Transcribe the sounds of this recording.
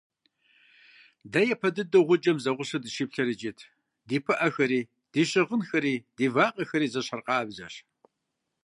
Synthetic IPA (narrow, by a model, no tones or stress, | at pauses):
dɐjɛpʰɐdɨdɨʁʷʊd͡ʒʼɐmzɐʁʷʊɕɨdɨʃiːpɬɐɾɨt͡ʃʼɪtʰ | diːpʰɨʔɐxɐɾiː | d̥iːɕɪʁənxɐɾiːdiːvaːqʼɐxɐɾiːzɐɕɐrqʼɑːbzɐɕ